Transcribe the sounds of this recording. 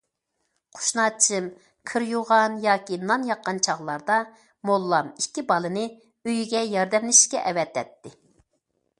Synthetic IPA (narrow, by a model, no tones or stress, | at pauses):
qʰo̥ʃnɑːt͡ʃʰɨm | kʰɨɾjuʁɑnjɑːkʲinɑnjɑqːɑnt͡ʃʰɑʁlˠɑɾd̪ɑ | molˠːɑmikʲːibɑlˠɨnɨ | øjiɡʲɛjɑɾd̪ɛmlɪʃi̥kʲɛʔɛwɛt̪ːɛt̪ːɪ